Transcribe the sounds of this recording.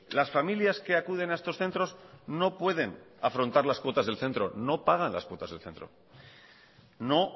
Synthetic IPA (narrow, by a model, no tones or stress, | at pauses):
lasfamiljaske̞akuð̞e̞naest̪o̞sθe̞nt̪ɾo̞zno̞pwe̞ð̞e̞nafɾo̞nt̪aɾlaskwo̞t̪azðe̞lθe̞nt̪ɾo̞no̞paɣanla̰skwo̞t̪azðe̞lθe̞nt̪ɾo̞̰ | no̞